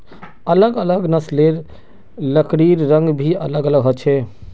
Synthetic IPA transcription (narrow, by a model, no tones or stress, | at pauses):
ələɡələɡnəsleɾ | ləkɽiɾɾə̃ŋɡbʱiə̰ləɡələɡɦot͡ʃʰe